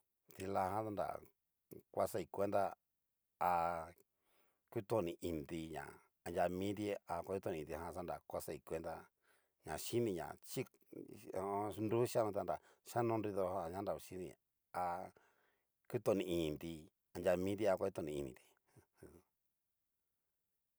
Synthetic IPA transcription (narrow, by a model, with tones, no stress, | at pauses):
t̪i˧la˧ɦã˦t̪a˦nda̰˨ | kʷa˧sa˦˧i˧kʷe˦nd̪a˦ | a˧ | ku˦t̪o˧˨nĩ˧˨ʔi˧nd̪i˧ɲã̰˨ | a˧nd͡ʒʲa˧mĩ˦t̪̬i˦a˧kʷa˧˦u˦t̪õ˧nĩ˨˧˨i˧ɦã˧sa˦nda˨kʷa˧sa˧i˧˨kʷe˧nd̪a˧ | ɲã̰˨ʃi˦nĩ˧ɲã̰˨t͡ʃi˦ | õ˧ndu˦ʃa˦nõ˧a˧nɾa˨ | ʃa˦nõ˦˧nɾi˧ðo˧a˧ɲã˦nɾa˨u˧ʃi˦nḭ̃˧ | a˧ | ku˦t̪o˧nĩ˧˨ĩ˨nd̪i˧ | a˧nd͡ʒʲa˧mĩ˦t̪i˦a˧kʷa˧˦u˦t̪õ˧nĩ˧i˧nĩ˧˨t̪i̥˧